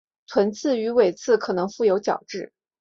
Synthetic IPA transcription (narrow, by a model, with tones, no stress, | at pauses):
t̪ʰwə˧˥nt͡sʰɹ̩˥˩y˧˥we˨˩ɪt͡sʰɹ̩˥˩kʰɤ˨˩nɤ˧˥ŋfu˥˩jo˧˥ʊt͡ɕjɑ̰˨˩ʊʈ͡ʂɻ̩˥˩